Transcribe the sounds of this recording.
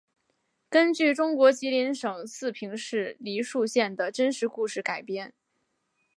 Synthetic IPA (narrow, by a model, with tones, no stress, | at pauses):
kə˥nt͡ɕy˥˩ʈ͡ʂʊ˥ŋkwɔ˧˥t͡ɕi˧˥li˧˥nʂɤ˨˩ŋsɹ̩˥˩pʰi˧˥ŋʂɻ̩˥˩li˧˥ʂu˥˧ɕjɛ˥˩nd̪ə˩ʈ͡ʂə˥nʂɻ̩˧˥ku˥˧ʂɻ̩˥˩ka˨˩ɪpjɛ˥n